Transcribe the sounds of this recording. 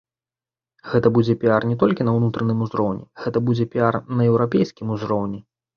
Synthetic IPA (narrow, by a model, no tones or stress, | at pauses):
ɣɛt̪ɐbud͡zʲɛpʲiarnʲɛt̪ɔlʲkʲinɐwnut̪ɾɐnɨmuzɾɔwnʲɛ̰ɣɛt̪ɐbud͡zʲɛpʲiarnɐɛwɾapʲejskʲimuzɾɔwnʲɛ